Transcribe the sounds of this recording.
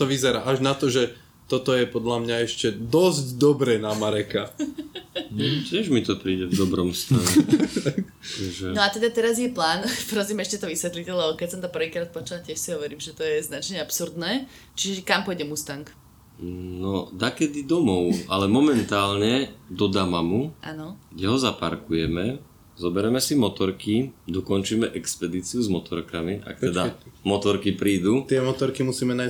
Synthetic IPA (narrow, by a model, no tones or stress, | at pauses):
t̪ɔʋizɛɾa̰ːʔaʒnat̪ɔʒɛ | t̪ɔt̪ɔjɛpɔd̪lamɲaɛʃcɛd̪ɔzɟd̪ɔbɾɛːnamaɾɛka | t̪ʲɪɛʒmit̪ɔpɾiːɟɛvd̪ɔbɾɔmst̪alɛak | ʒɛnɔat̪ɛd̪at̪ɛɾazjɛplaːnpɾɔzimɛʃcɛt̪ɔʋisʋɛt̪licɛlɛbɔkɛsɔmt̪ɔprʋiːkɾaːt̪̚pɔt͡ʃulatʲɪɛʃsiɦɔʋɔɾiːmʒɛt̪ɔjɛznat͡ʃɲɛapsuɾd̪nɛː | t͡ʃiʒɛʒɛkampɔjɟɛmust̪aŋk | nɔd̪akɛd̪id̪ɔmɔʊalɛmɔmɛnt̪aːlɲɛd̪ɔd̪amamuʔa̰ːnɔɡ̥ɟɛɦɔzapa̰ɾkujɛmɛ | zɔbɛɾɛmɛsimɔt̪ɔɾkid̪ɔkɔnt͡ʃiːmɛʔɛkspɛd̪iːt͡siuzmɔt̪ɔɾkamiʔa̰k̚t̪ɛd̪amɔt̪ɔɾkipɾiːd̪ut̪ɪɛmɔt̪ɔɾkimusiːmɛnaj